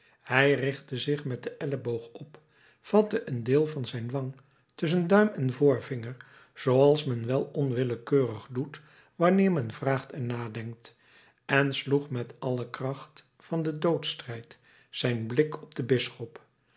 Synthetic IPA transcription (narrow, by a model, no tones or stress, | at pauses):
hɛjrɪχtəzɪχmɛt̚dəʔɛləbowχɔp | fɑtəʔəndɪːlˠvɑnzɛjnʋɑŋ | tɵs̬əndœɥmɛnvʊːɹvɪŋəɹ | z̥owɑlˠsmɛnʋɛlˠɔnʋɪləkøːrəχdut | ʋɑnɪːɹmɛnvraːχtɛɹnaːdɛŋk̚t | ʔɛnsluχmɛtɑləkrɑχt | fɑndədowtstrɛjt | sɛjnblɪkɔb̚d̥əbɪsχɔp